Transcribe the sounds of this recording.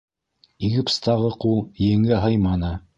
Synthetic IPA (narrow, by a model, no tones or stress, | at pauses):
iɡɘpst̪ɑʁɤqulˠjɘ̆ŋɘɦɤjmɑnɤ